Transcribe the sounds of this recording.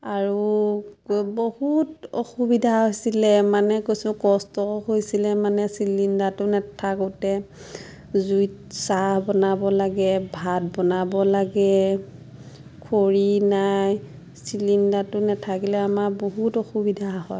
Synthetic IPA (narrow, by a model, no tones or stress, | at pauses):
aɹu | bohutoxubidʱaɦojsilɛmanɛkojsʊ̃kɔstɔxojsilɛmanɛsilindatʊnɛtʰakotɛ | zujtsahbɔnabɔlaɡɛbʱat̚bɔnabɔlaɡɛ | kʰoɹinaj | silindatʊnɛtʰakilɛamaboɦutoxubidʱaɦɔj